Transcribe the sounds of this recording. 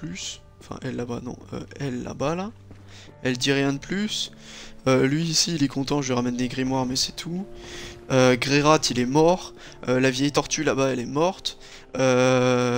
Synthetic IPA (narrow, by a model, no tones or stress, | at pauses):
plys | ɑ̃fɛ̰̃ʔɛlːaba̰nɔ̰̃ø̰ɛlːa̰bala | ɛld̪iʁjɛ̃d̪əplys | ølɥiːsiːlɛkɔ̃t̪ɑ̃ʒələʁamɛnːeɡʁimwaʁmɛsɛ̥t̪ʰu | øɡʁeʁat̪ʰilɛmɔʁ | ølavjɛjt̪ɔʁt̪ylabaɛlɛmɔʁt̪ | ø